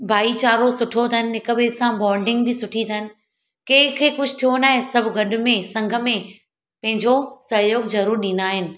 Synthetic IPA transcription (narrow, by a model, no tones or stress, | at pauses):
bʱaːit͡ɕaːɾosʊʈʰot̪ʰənɪ̆ɦɪkəbeːsãbɔːɾɖɪ̃ŋɡbɪsʊʈʰit̪ʰənɪ̆ | keːkʰekʊd͡ʑʱt̪ʰijonaːɦesɐbʱɡɐɗʊ̆mẽsɐ̃ŋɡʱə̆mẽ | pɐ̃ɦɪ̃ɲd͡ʑosɐɦjoːɡzɐɾuːɾɗiːnd̪aːɦɪnɪ̆